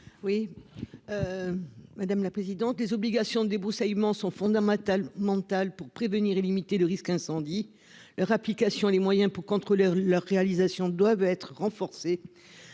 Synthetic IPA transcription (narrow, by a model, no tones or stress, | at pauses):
wi | ø | mad̪amlapχezid̪ɑ̃t̪lezɔbliɡasjɔ̃d̪əd̪ebʁusajmɑ̃sɔ̃fɔ̃d̪amɑ̃t̪almɑ̃t̪alpuʁpχevəniʁelimit̪eləʁiskɛ̃sɑ̃d̪i | lœʁaplikasjɔ̃elemwajɛ̃puʁkɔ̃t̪χolelœʁːealizasjɔ̃d̪wavɛt̪χəʁɑ̃fɔʁse